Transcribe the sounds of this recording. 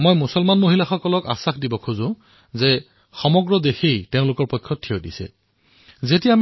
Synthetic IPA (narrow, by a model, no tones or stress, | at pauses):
mojmusɔlmanmoɦilaxɔkɔlɔka̰saxdibɔkʰuzʊ̃ | zɛ | xɔmɔɡɹɔdexejteʊ̃lʊkɔɹpojkʰːɔtʰːijodḭsɛ̰ | zetiam